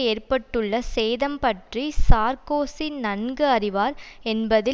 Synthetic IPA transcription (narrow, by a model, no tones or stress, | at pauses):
eːrpɐʈːɯɭːɐsɛːðɐmpɐʈrisaːɾkoːsinɐnɡɯɐrɪʋaːɾɛnbɐðɪ